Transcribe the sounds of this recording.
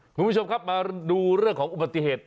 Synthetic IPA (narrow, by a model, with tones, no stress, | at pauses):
kʰu˧mʰu˥t͡ɕʰo˧mkʰa˦˥p̚maː˧duː˧ɾɯ˥˩əŋkʰɔː˩˦ʔu˨ba˨˧t̪ːi˨heː˨˩t̪̚